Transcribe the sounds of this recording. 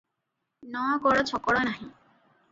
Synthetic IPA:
nɔwakɔɽɔt͡ɕʰɔkɔɽɔnaɦĩ

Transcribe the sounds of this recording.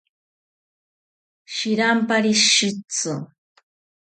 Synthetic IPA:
ʃɪɾampaɾiʃit͡sʊ

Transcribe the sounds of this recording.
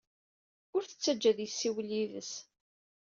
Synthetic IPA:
ʊɾθə̥t͡sːæd͡ʒːæðjəsːiwlːiðə̰s

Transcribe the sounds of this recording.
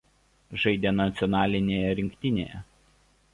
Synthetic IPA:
ʒɐɪd̪ʲeːnɐt̪sʲɪɔnɑːlʲɪnʲeːjɛɾʲɪŋʲkʲt̪ʲɪnʲḛːjɛ̰

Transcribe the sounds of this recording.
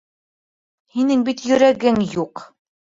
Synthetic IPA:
hinɘŋbit̪jɵ̆ɾæɡɘŋjuq

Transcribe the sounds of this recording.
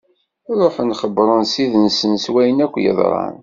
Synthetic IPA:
ɾˤoħnχəbɾˤənsiðənsənswæjənækʷːjə̰ðˤɾˤɑ̰n

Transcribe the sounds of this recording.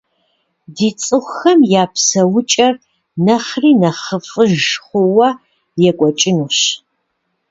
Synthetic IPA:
diːt͡sʼɨχʷxɐmjaːpʰsɐwʊt͡ʃʼɐr | nɐχriːnɐχəfʼɨʒχʷʊwɐ | jɛkʷʼɔt͡ʃʼɪnuɕ

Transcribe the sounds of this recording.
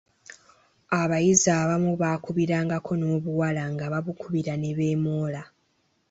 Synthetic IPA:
aβajizaːβamuβaːkuβiɾaːŋɡakʰo̞no̞ːβuwalaŋɡaβaβukuβiɾaneβe̞ːmoːla

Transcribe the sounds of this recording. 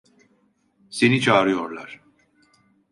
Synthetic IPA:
se̞nit͡ʃʰaːɾɯjo̞ɾlˠaɾ̥

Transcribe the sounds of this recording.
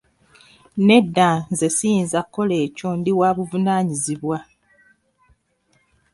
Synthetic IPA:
ne̞dːanze̞siinzakːo̞leːco̞ndiwaːβuvunaːɲiziβwa

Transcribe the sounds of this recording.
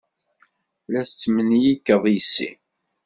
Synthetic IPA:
læst͡sːmənjikːəðˤjisːḭ

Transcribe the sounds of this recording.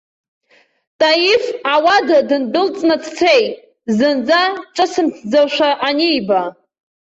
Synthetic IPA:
tʼajifawadadɨnbɨlt͡sʼnat͡sʰt͡sʰejtʼ | zɨnd͡zaʈ͡ʂʼɨsɨmtʰd͡zaʃʷaʔanejba

